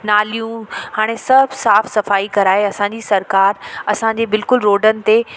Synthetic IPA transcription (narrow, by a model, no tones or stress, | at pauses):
naːlijũhaːɽ̃esɐbʱsaːfsɐfaːikɐɾaːɦeɐsãɲd͡ʑisɐɾkaːɾɐsãɲd͡ʑeːbɪlkʊlɾoːɖənɪ̆t̪e